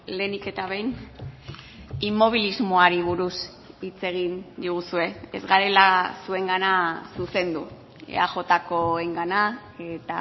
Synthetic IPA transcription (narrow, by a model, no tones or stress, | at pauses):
le̞nike̞t̪aβ̞e̞jn | imo̞β̞ilizmoaɾiβ̞uɾus | it͡se̞ɣ̞ind̪iɣ̞usue̞ḛzɣaɾe̞lasue̞ŋɡanasuse̞nd̪u | ḛa̰ʝo̞t̪ako̞eŋɡana | e̞t̪a